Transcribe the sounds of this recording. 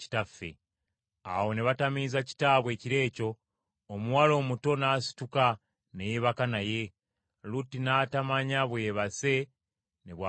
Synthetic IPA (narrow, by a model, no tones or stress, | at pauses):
i̥tafːḛ | a̰wo̞ne̞βatamizaci̥taːβwe̞ːciɾe̞ːco̞ː | muwalo̞ːmuto̞naːsi̥tuka | nejeβakanaje̞ | lutinatamaɲaβweːβase̞ | neβwa